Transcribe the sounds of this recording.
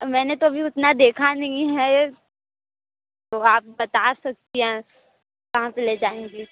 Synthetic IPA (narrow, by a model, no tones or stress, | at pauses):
mɛ̃ːnet̪obʱiʊt̪nad̪eːkʰanɐɦĩɦɛ | t̪oaːp̚bɐt̪aːsɐk̚t̪iɦɛ̃ | ʋɐɦãpeleːd͡ʒaːẽːɡiː